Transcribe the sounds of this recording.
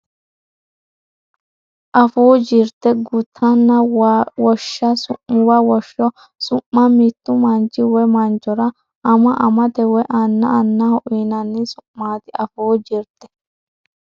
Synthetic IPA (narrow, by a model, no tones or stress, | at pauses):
ʔɐfoːd͡ʒiɾt̪ːɛɡʊt̪ʰːɐnːɐwɔʃːɐsʊʔːʊwɐwɔʃːɔ | sʊmːɐmit̪ːʊmɐnt͡ʃːɪwɛmɐnt͡ʃːɔɾɐ | ʔɐmɐʔɐmɐt̪ɛwɛʔɐnːɐɐnːɐhɔʔiːnɐnːɪsʊmːaːt̪ɪɐfoːd͡ʒiɾt̪ːɛ̥